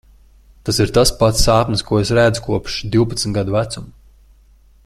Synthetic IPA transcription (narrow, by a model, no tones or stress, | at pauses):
t̪asiɾt̪aspat̪saːpniskuɔesɾæd̪zukuɔpʃd̪iwpat̪sm̩ʲt̪ɡad̪uvæt̪sum